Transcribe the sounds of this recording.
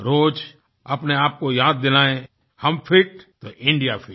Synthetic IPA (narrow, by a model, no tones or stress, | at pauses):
ɾoːd͡ʒ | ɐpneaːp̚kojaːd̪̚ːɪlaːẽ | hɐmpʰɪʈt̪oʔɪ̃ɳɖijapʰɪ